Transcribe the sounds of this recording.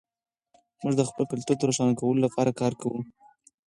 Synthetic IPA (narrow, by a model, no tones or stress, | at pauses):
muʐd̪əxpəlpɪlt̪ud̪əɾoʃɑnakawəlolapɑɾakɑɾkʰawu